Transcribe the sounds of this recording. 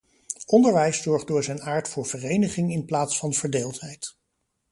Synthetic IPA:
ʔɔndəɹʋɛjsːɔɹχdʊːɹzɛjnaːɹtfʊːɹv̥ərejnəχɪŋɪnplaːtsfɑnv̥əɹdeːlˠtɦɛjt

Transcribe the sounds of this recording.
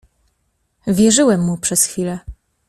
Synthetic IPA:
vʲjɛʐɘwɛmːupʂɛsxfʲilɛ

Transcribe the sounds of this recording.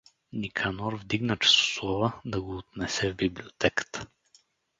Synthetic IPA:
nikʰanɔɾvd̪iɡnət͡ʃɛ̥sʊ̥slˠɔvəd̪ɐɡoːt̪̚nɛsɛvbiblʲiot̪ʰɛkə̥t̪ə̥

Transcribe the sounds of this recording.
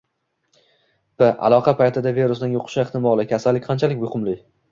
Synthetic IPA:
bɪʔa̰lˠɒqʰɑpʰajt̪ʰɪd̪aveɾʊsnɪnjoqʰʊ̥ʃɪeχt̪ʰɪmɒlˠɪkʲʰasalːɪkʲqʰɑnt͡ʃʰalɪk̚ʲmʊhʊmlɪ

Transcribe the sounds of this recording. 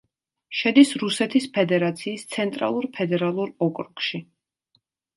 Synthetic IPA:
ʃɛd̪isɾusɛt̪ʰispʰɛd̪ɛɾat̪sʰiːst̪sʰɛnt̪ʼɾa̰lˠuɾpʰɛd̪ɛɾalˠuɾɔkʼɾukʼʃi

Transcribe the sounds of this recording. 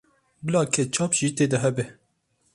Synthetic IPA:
bɨlɑːkʰɛt͡ʃʰɑːpʒ̥iːt̪eːd̪ɛɦɛbɛ

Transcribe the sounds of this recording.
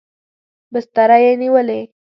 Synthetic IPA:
bəst̪aɾajeniʋəle

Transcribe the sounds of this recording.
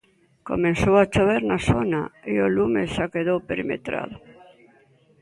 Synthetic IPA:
ko̰mẽnsowat͡ʃoβeɾnasonaiolumesʃakeðowpeɾimḛt̪ɾa̰ðo

